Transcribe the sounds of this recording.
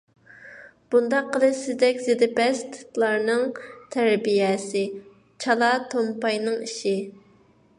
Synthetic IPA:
b̥und̪ɑqːəlˠɨʃsɪzd̪ɛkʲzɪd̪ɪpɛst̪ʰt̪lˠɑɾnɨŋt̪ʰæɾbijɛsɪ | t͡ʃʰɑlˠɑt̪ʰompɑjnɨŋiʃɪ

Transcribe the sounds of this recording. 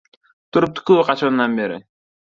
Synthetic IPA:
t̪ʰuɾup̚t̪ʰu̥kuqʰɑt͡ʃonnːɑnbeɾɪ̰

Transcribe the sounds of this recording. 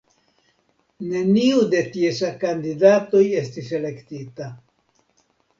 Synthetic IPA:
ne̞niude̞tiesakandidato̞je̞stise̞le̞ktita

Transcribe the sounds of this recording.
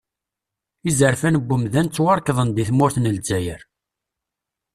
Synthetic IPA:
izəɾfænəbʷːʊmðænt͡sːwɑɾˤkðˤənd̪iθmʊɾθnəld͡zæjəɾ

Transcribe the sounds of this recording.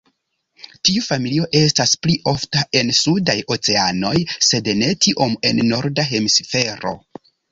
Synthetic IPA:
tiufamilio̞ʔe̞staspliʔo̞ftae̞nsudajo̞t͡se̞ano̞jse̞dne̞tiʔo̞me̞nːo̞ɾdaɦe̞misfe̞ɾo̞̰

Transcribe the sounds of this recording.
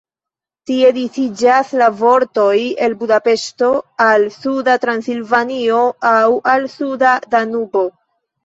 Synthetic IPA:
tie̞dit͡sid͡ʒaslavo̞ɾto̞je̞lbudape̞ʃto̞alsudatɾansilvanio̞awalsudadanubo̞

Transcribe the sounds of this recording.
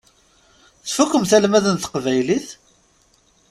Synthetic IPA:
θfukːəmθælmæðənθə̥qvæjliθ

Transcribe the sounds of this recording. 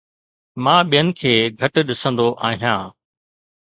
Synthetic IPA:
mãːɓijənɪ̆kʰeːɡʱɐʈ̆ɗɪsə̃nd̪oʔaːɦijãː

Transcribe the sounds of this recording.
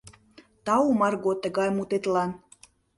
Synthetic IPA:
t̪ɑumɑrɣot̪ə̆ɣɑjmut̪et̪lɑn

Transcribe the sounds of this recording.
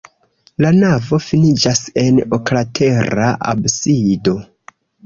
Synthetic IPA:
lanavo̞finid͡ʒase̞noklatʰe̞ɾaʔa̰bsido̞

